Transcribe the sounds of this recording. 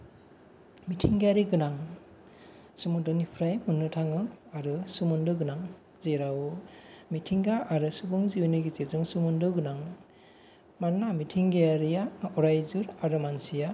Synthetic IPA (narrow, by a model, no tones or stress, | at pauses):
mitʰiŋɡejaɾiɡɯnaŋ | sumudɯnipʰɾajmɯnːɯtʰaŋɯaɾɯsumundɯɡɯnaŋ | zeɾawmitʰiŋɡaʔaɾɯsubɯŋziwnɯɡit͡ʃezɯŋsumundɯɡɯnaŋ | manːamitʰiŋɡejaɾijaɔɾajzɯɾaɾɯmansija